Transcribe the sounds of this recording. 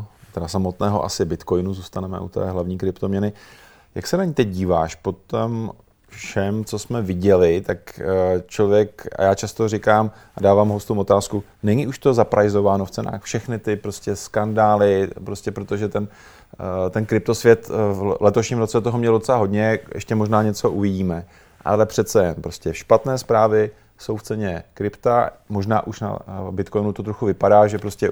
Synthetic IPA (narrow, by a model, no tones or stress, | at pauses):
t̪ɛdasamo̞t̪nɛːɦo̰ʔa̰sɪbɪt̪ko̞jnuzuːst̪anɛmɛ̰ʔṵt̪ɛ̰ːɦlavɲiːkɾɪpt̪o̞mɲɛnɪ | ja̰ksɛnaɲit̪ɛc̚ɟiːva̰ːʃpo̞t̪om | fʃɛmt͡so̞smɛvɪɟɛlɪt̪akt͡ʃlovjɛka̰jaːt͡ʃast̪orɪkaːm | ʔadaːvaːmɦost̪owʔot̪aːsku | nɛɲiʔuʃt̪o̞zapɾʔajzo̞vaːnoft͡sɛna̰ːxfʃɛxnɪt̪ɪpɾo̞scɛskandaːlɪpɾo̞scʲɛpɾot̪oʒɛt̪ɛn | t̪ɛnkɾɪp̚t̪o̞svjɛt̪vlɛt̪o̞ʃɲimɾot͡sɛt̪oɦomɲɛlodot͡sɛlaɦo̞dɲɛjɛ̰ʃcɛmoʒnaːɲɛt͡soʔuvɪɟiːmɛ | ʔa̰lɛpr̝̥ɛt̪t͡sɛjɛnpɾo̞scɛʃpat̪nɛːspɾaːvɪ | so̞wft͡sɛɲɛkɾɪpt̪amoʒna̰ːʔuʃna̰bɪt̪ko̞jnut̪o̞t̪ɾoxuvɪpadaːʒɛpɾo̞scɛ